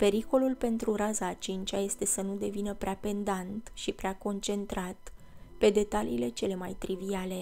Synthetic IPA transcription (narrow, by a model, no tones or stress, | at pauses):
pe̞ɾiko̞lulpe̞nt̪ɾuɾazaːt͡ʃint͡ʃaje̞st̪e̞sənud̪e̞vinəpɾeape̞nd̪ant̪ʃipɾeako̞nt͡ʃe̞nt̪ɾat̪ | pe̞d̪e̞t̪aliːle̞t͡ʃe̞le̞majt̪ɾiviale̞